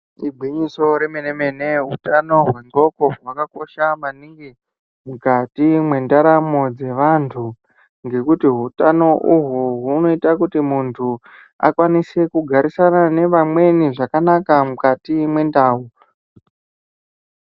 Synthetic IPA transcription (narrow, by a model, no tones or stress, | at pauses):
ibʱwiɲiso̞ɾemeneme̞ne̞ɦutano̞ɦwe̞ŋɡo̞ko̞ɦwakako̞ʃamaniŋɡi | mukatimwe̞ndaɾamo̞d͡ze̞ʋantʰu | ŋɡe̞kutiɦutano̞ʔuɦuɦuno̞itakutimuntʰu | a̰kwanise̞kuɡʱaɾisanane̞ʋamwe̞niʐakanakamukatimwe̞ndaːu